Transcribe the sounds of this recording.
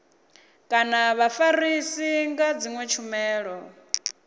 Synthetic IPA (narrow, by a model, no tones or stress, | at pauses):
kʼanaβafaɾisiŋɡad͡ziŋwɛt͡ʃʰumɛːɺɔ